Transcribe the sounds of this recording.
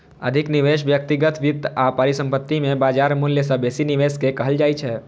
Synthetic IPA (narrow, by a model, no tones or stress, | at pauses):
ə̰d̪ʱɪknɪʋeʃʋjək̚t̪iɡət̪ʋɪt̪ːapaɾisə̃mpət̪ːimẽbaːd͡ʒaːɾmuljəsəbesiniʋeskekəɦəld͡ʒaːjt͡ʃʰɛː